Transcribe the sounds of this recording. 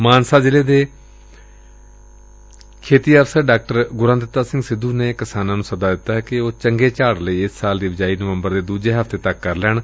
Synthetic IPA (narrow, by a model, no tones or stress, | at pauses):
maːnsaːd͡ʒɪleːd̪eː | kʰeːt̪iːəfsəɾɖaːk̚ʈəɾɡʊɾãnd̪ɪt̪ːaːsɪ̃ŋɡsɪd̪ʱːuːneːkəsaːnãːnũːsəd̪aːd̪ɪt̪ːaːɦɛːkɪoːt͡ʃəŋɡeːt͡ʃaːɽləiːɪsːaːld̪iːbɪd͡ʒaːiːnəʋəmbəɾd̪eːd̪uːd͡ʒeːɦəfʰt̪eːt̪əkːəɾlɛːɳ